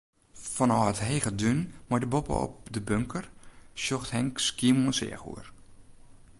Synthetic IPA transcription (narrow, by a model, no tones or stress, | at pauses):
fɔnɔːətɦeːɣədynmɔjdəbɔpə̰ɔ̰p̚dəbøŋkʰərsjoxthɛŋkskiəmuənsɪ̰əxṵər